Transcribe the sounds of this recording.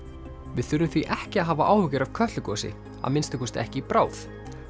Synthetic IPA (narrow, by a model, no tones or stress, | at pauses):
vɪðθʏɾʏmθviʔɛhcɪaðɦaːvaʔaːwhʏcɪɾav̥kʰœt̪lʏkɔsɪ̰ | a̰ðmɪnst̪ɪkɔst̪ɛ̰hcɪpɾaːwθ